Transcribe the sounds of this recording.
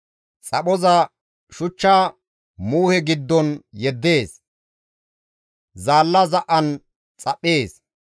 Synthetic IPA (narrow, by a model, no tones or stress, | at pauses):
t͡sʼɐɓɔzɐ | ʃʊt͡ʃːaː | muːhɛɡɪd̪ːɔnjɛd̪ːe̞ːs | zaːlːɐzɐʔɐn | t͡sʼɐpʼːe̞ːs